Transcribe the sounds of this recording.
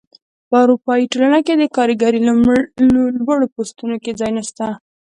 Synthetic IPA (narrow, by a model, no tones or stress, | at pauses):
pəɑwɾupɑiʈolanaked̪əkɑɾəɡaɾi | lbəɽopost̪unoked͡zɑjnast̪a